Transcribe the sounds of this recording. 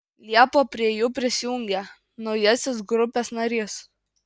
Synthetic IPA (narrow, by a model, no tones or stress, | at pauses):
lʲiɛpoːpʲɾʲiɛjuːpʲɾʲɪsʲɪjʊŋʲɡʲɛ | nɒʊjɛsʲɪsɡɾʊpʲeːsnɐɾʲɪs